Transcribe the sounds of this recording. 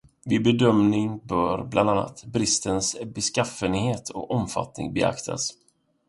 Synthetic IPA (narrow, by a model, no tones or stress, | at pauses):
vɪbɛd̪œmnɪŋbœːɾbland̪anːa̰t̪bɾɪst̪ənsbɛskafənheːt̪ʰɔ̰kɔmfa̰t̪nɪ̰ŋbɛa̰kt̪ʰa̰s